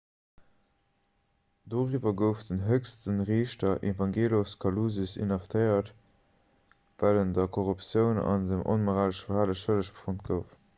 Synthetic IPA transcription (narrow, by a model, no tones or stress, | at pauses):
d̥oːʁiːvɐɡəʊfdənɦœkstənʁeːʃtɐʔevɑŋɡeːloskʰɑluːzysḭnɑftʰəɪɐt | væləndɐkʰoʁupsjəʊnɑ̰ndəmʔo̰nmoʁaːləʃfəhaːləʃələʃpfont̚ɡ̥əʊf